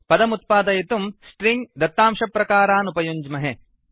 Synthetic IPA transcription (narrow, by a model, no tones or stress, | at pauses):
pɐd̪ɐmut̪̚paːd̪ɐjit̪umsʈɾiŋɡd̪ɐt̪ːaːmʂɐpɾɐkaːɾaːnupɐjuɲd͡ʒmɐɦe